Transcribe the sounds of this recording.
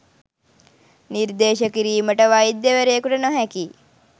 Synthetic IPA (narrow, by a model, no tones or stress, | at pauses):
niɾd̪eːʃəkiɾiːməʈəʋajid̪jəʋeɾeːkuʈənoɦɛki